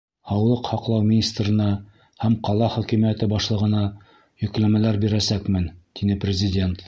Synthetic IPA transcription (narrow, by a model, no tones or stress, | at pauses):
hɑwlˠɤqhɑqlˠɑwmʲinʲist̪rɤ̆nɑ | hæmqɑlˠɑχɵ̆kimijæt̪ɘbɑʃlˠɤ̆ʁɤ̆nɑ | jɵ̆klæmælæɾbiɾæsækmɘnt̪inɘprʲɪzʲɪdʲe̞nt̪